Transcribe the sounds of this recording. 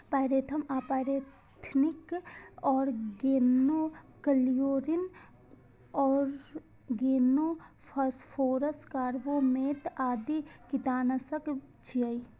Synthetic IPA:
paːɾeːt̪ʰɐmapaɾe | t̪ʰnɪkɔːɾɡeːnokəlijoːɾin | ɔːɾ | ɡeːno | pʰɐspʰoːɾəskaːɾʋomeːt̪aːd̪ikit̪aːnɐsɐkt͡ʃʰii

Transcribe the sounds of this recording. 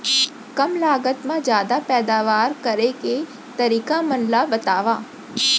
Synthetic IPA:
kɐmlaːɡət̪mãd͡ʒjaːd̪apɛːd̪aːʋaːɾkɐɾeke | t̪ɐɾiːkamɐnlabɐt̪aːʋaː

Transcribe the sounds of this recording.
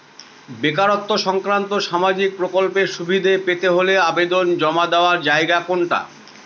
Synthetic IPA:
bekaɾot̪ːoʃɔŋkɾant̪oʃamad͡ʑik̚pɾokolpeɾʃubʱid̪ʱepet̪eɦoleabed̪ond͡ʑɔmad̪eoaɾd͡ʑaeɡakoɳʈa̰

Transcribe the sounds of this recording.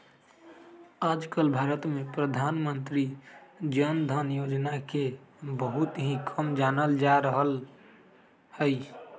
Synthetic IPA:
ad͡ʒkəlbʱaɾət̪mepɾəd̪ʱaːnmənt̪ɾid͡ʒənd̪ʱənjod͡ʒnakebəɦut̪ɦĩkʰəmd͡ʒanəld͡ʒaɾəɦəl | həj

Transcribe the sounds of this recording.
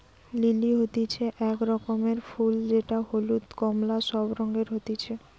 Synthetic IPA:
liliɦot̪it͡ɕʰeʔɛkɾɔkomeɾfuld͡ʑeʈaholut̪kɔmlaʃɔbɾɔŋɡeɾɦot̪it͡ɕʰe

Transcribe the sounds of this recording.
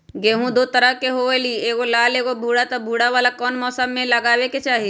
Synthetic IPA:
ɡeːɦũd̪oːt̪əɾəɦkeɦoelieːɡolaːleːɡobʱuːɽat̪ɔbʱuːɽaʋaːlakɔːnmɔːsəmːẽlɐɡaːweket͡ʃaːɦi

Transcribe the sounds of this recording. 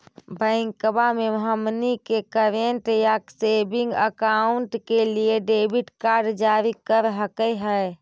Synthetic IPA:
bʱəɪ̃ŋkbameɦəmnikekəɾenʈjaksebĩŋɡəkauɳʈkelieɖebʱiʈkaɾɖd͡ʒaɾikəɾɦəkəɦəj

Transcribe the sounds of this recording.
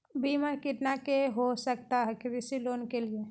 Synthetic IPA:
biməɾkiʈnakeɦosək̚t̪aɦɛkɾisilonkelie

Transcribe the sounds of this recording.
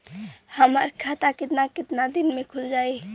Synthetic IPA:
həmə̰ɾkʰat̪akɪt̪nakɪt̪nad̪inmekʰuld͡ʒai

